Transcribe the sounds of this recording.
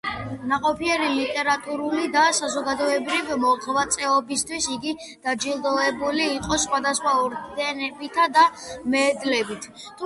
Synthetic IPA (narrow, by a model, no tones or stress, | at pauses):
naqʼɔpʰiɛɾilit̪ʼɛɾat̪ʼuɾulid̪asazɔɡad̪ɔɛbɾivimɔʁvat̪sʼɛɔbist̪ʰwisiɡi | d̪̥ad͡ʒilˠd̪ɔɛbuliːqʼɔsχwad̪asχwaɔɾd̪ɛnɛbit̪ʰad̪amɛːd̪lɛbit̪ʰ | t̪ʰu